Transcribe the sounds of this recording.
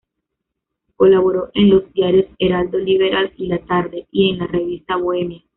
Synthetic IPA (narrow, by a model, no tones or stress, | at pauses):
ko̞laβo̞ɾo̞ʔe̞nlo̞zd̪jaɾjo̞se̞ɾald̪o̞liβe̞ɾalilat̪aɾðe̞ie̞nlare̞βist̪aβoe̞mja